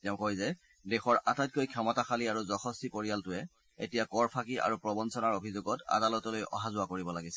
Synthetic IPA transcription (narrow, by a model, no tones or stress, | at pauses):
tɛʊ̃kojzɛ | dɛxɔɹatajt̚kojkʰɛmɔtaxaliaɹuzɔxɔstipoɹijaltʊɛ | etijakɔɹpʰakiʔa̰ɹupɹɔbɔnsɔnaɹobʱizoɡɔta̰dalɔtɔlojɔ̰ɦazʊwakoɹibɔlaɡisɛ̥